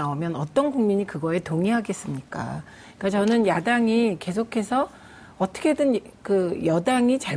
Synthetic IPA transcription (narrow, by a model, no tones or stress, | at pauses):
aomjʌnʌt͈ʌnɡuŋmiɲikɯɡʌe̞toŋiɦaɡe̞s͈ɯmɲik͈a̰ | ik͈at͡ɕʌnɯnjadaŋike̞sʰokʰe̞sʰʌ | ʌt͈ʰʌ̥kʰe̞dɯnkɯjʌdaŋit͡ɕa